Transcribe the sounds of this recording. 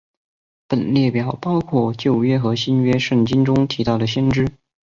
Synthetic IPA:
pə˨˩nljɛ˥˩pjɑ˨˩ʊpɑ˥ʊkʰwɔ˥˩t͡ɕjo˥˩ʊɥɛ˥xɤ˧˥ɕi˥nɥɛ˥ʂɤ˥˩ŋt͡ɕi˥nʈ͡ʂʊ˥ŋt̪ʰi˧˥t̪ɑ˥˩ʊd̪ə˩ɕjɛ˥nʈ͡ʂɻ̩˥

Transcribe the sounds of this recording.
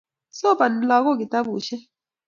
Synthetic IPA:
sɔ˦pa˨n˨la˨kɔ˦˨ki˨ta˦buː˨ʃɛ˦

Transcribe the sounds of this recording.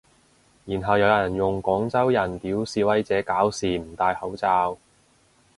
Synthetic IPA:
jiː˨˩nɦɐ˨wjɐ˨˧wjɐ˨˩njʊ˨ŋkɔː˨˥ŋt͡sɐ˥wjɐ˨˩nt̪iː˨˥wsiː˨˧wɐ˨˥jt͡sɛː˨˥kaː˨˥wsiː˨m̩˨˩t̪aː˧jhɐ˨˥wt͡saː˧w

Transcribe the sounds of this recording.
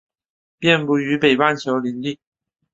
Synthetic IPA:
pjɛ˥˧npu˥˩y˧˥pe˨˩ɪwa˥˩nt͡ɕʰjo˧˥ʊli˧˥ŋli˥˩

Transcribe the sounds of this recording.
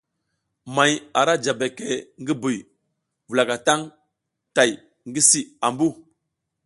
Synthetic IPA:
ma˨ja˨ɾa˦d͡ʒa˨be˨ke˨ŋɡi˦bu˨j | vu˨la˨ka˨ta˦ŋ | ta˨j | ŋɡi˦si˦a˨mbu˦˨

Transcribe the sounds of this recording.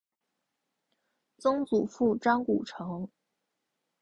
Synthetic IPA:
t͡sɤ˥ŋt͡su˨˩fu˥˩ʈ͡ʂɑ˥ŋku˨˩ʈ͡ʂʰɤ˧˥ŋ

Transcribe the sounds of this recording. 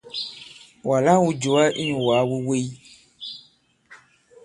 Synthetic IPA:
wa˨la˦wu˦d͡ʒo˨˦a˦ʔi˦ɲũ˨wa˨˦we˦we˦i˦

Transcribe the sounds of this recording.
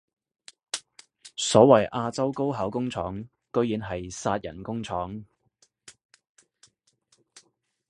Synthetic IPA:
sɔː˨˥wɐ˨˩jʔaː˧t͡sɐ˥wko˥wɦɐ˨˥wkʊ˥ŋt͡sʰɔː˨˥ŋ | kɵ˥˧ɥjiː˨˥nɦɐ˨jsaː˧t̚jɐ̰˨˩nkʊ˥ŋt͡sʰɔː˨˥ŋ

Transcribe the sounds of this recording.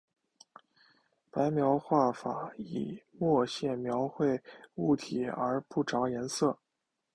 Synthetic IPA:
pa˧˥ɪmjɑ˧˥ʊxwa˥˩fa˨˩ḭ˨˩mwɔ˥˧ɕjɛ˥˩mjɑ˧˥ʊxwe˥˧ɪu˥˩t̪ʰi˨˩ə˞˧˥pu˥˩ʈ͡ʂɑ˧˥ʊjɛ˧˥nsɤ˥˩

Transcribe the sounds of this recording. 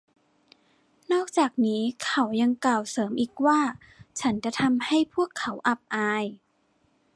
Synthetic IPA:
nɔː˥˩k̚t͡ɕaː˨˩k̚niː˦˥kʰa˩˦wja˧ŋklaː˨˩wsɤː˩˦mʔiː˨˩k̚waː˥˩ | t͡ɕʰa˦˥nt͡ɕa˧˩t̪ʰa˧mha˥˩jpʰu˥˩əkʰːa˩˦wʔa˨˩p̚ʔaː˧j

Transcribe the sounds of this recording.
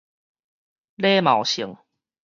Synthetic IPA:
le˦ma˨˩˦wɕi˨˦ŋ

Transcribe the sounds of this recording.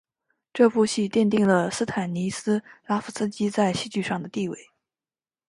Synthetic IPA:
ʈ͡ʂɤ˥˧fu˥˧ɕi˥˧t̪jɛ˥˧nt̪̬i˥˩ŋlə˩sɹ̩˥t̪ʰa˨˩nni˧˥sɹ̩˥la˥fu˨˩t͡sɹ̩˥t͡ɕi˥t͡sa˥˧ɪɕi˥˧t͡ɕy˥˧ʂɑ˥˩ŋd̪ə˩t̪i˥˧wḛ˥˩ɪ

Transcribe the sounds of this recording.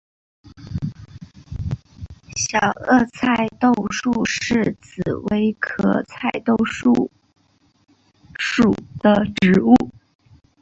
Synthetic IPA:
ɕjɑ˨˩ʊɤ˥˧t͡sʰa˥˧ɪt̪o˥˧ʊʂu˥˧ʂɻ̩˥˩t͡sɹ̩˨˩we˧˥ɪkʰɤɤ̰˧˩t͡sʰa˥˩ɪt̪o˥˧ʊʂu˥˩ | ʂu˨˩d̪̥ə˧ʈ͡ʂɻ̩˧˥u˥˩

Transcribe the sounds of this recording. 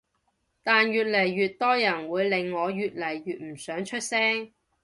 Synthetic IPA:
t̪aː˨njyː˨t̚lɐ˨˩jɥyː˨t̚t̪ɔː˥jɐ˨˩nwuː˨˧jlɪ˨ŋːɔː˨˧jyː˨t̚lɐ˨˩jɥyː˨t̚m̩˨˩sœː˨˥ŋt͡ʃʰɵ˥t̚sɛː˥ŋ

